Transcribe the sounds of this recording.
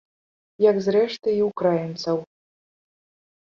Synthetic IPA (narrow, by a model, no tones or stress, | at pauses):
jɐkzɾɛʂt̪ɨiwkɾajint̪sɐw